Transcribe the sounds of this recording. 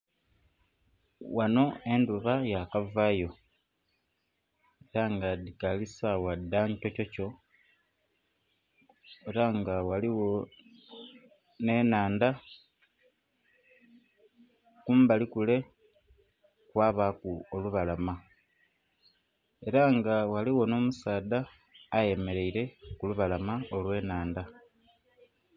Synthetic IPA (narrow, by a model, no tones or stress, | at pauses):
wano̞e̞nduβajakavaːjo̞ | e̞ɾaŋɡadikalisawadːaɲto̞co̞co̞ | eɾaŋɡawaliwo̞ | ne̞ːnaːnda | kuːmbalikule̞ | kwaːβakuoluβalama | e̞ɾaŋɡawaliwo̞no̞ːmusaːd̪aː | je̞me̞ɾe̞iɾe̞kuluβalamaolwe̞ːnaːnda